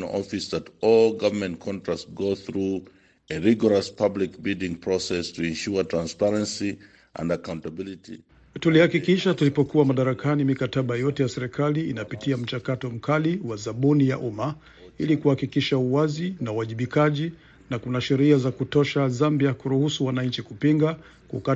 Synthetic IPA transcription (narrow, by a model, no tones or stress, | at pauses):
nɔ̰fisðɨtɔlˠɡavə˞mɛ̃ntkʰɔ̃ntɹ̥asɡoθɹu | eɹiɡɔɹɔspʰablik̚bilˠdɪ̃ŋpʰɹ̥ɔsɛstʰɨɛ̃nʃutʰɹ̥ãnspɛɹɛ̃nsi | ʔə̰̃ndakãʊ̃ntəbilitḭ | tulihakikiʃatulipɔkuwamaɗaɾakanimikataɓajɔtɛjasɛɾɛkaliinapitiam̩t͡ʃakatɔm̩kaliwazaɓunijaʔuma | ilikuhakikiʃauwazinauwaʄiɓikaʄi | nakunaʃɛɾiazakutɔʃazambiakuɾuhusuwanaɲt͡ʃikupiŋɡa | kaka